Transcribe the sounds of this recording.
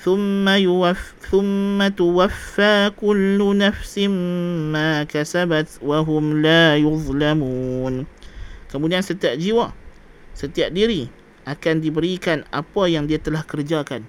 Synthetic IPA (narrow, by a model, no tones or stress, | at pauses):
θʊmːajuwa | θʊmːat̪uwafːaːkʊlːunafsɪmmaːkasabat̪waɦʊmlajuðˤlamuːnkəmudiansət̪iaʔ̚d͡ʒiwa | sət̪iaʔ̚diɾi | ʔakandibəɾikana̰pajaŋdiat̪əlahkərd͡ʒakan